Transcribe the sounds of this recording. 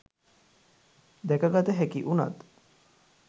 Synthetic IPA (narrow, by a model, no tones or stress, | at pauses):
d̪ɛkəɡat̪əɦækiʔuna̰t̪